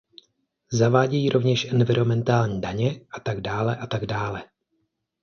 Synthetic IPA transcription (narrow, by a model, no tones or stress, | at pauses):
zavaːɟɛjiːɾʔo̞vɲɛʃʔɛnvɪɾo̞mɛnt̪aːlɲiːdaɲɛʔat̪aɡdaːlɛʔat̪aɡdaːlɛ